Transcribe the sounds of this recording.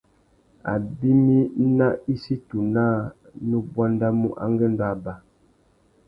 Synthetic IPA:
a̰˨bi˦mi˦na˦i˦si˦tu˨naː˦˨ | nu˦bwa˦n˦da˦mu˦ʔa̰˦ŋɡə˦n˦da˦˨ba˨

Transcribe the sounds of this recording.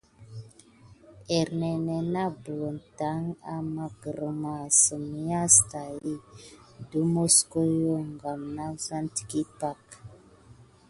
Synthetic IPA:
ɛ˨ɾne˨ne˨na˦bə˨lo˨nta˨˦ŋa̰˨ma˨ɡə˨ɾə˨ma˨sə˨m˦ja˦sta˨ji˦du˦mo˦sko˦jo˦ŋɡa˨mna˦sa˦nti̥˨ki˦pa˦˨k

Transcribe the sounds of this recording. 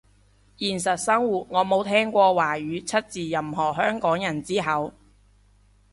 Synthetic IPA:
jiː˨˩ns̬ɐ˨t̚sɐ˥ŋwuː˨˩t̚ŋɔː˨˧mo˨˧wt̪ʰɛː˥ŋkʷɔː˧waː˨˩ɥyː˨˧t͡sʰɐ˥t̚t͡siː˨˩jɐ˨˩mɦɔː˨˩ɦœː˥ŋkɔː˨˥ŋjɐ˨˩nt͡siː˥ɦɐ˨˧w

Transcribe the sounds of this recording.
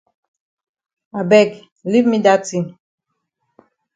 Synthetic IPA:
a˨bɛ˦˨ɡ | li˦vmi˦da˦ti˦˨m

